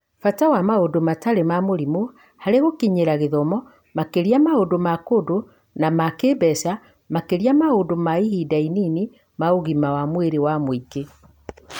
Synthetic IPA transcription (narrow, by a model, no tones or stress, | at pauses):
fatawamaodomataɾemamoɾimo | haɾeɣokiɲeɾaɣeðɔmɔ | makeɾiamaodomakodo | namakebɛsa | makeɾiamaodomaihidainini | maoɣimawamweɾewamwike